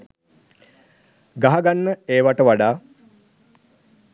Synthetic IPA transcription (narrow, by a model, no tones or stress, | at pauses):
ɡaɦaɡanːəeːʋaʈəʋaɖaː